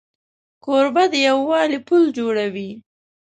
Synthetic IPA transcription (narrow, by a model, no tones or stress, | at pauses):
koɾbad̪əjawːɑlipuld͡ʒoɽawi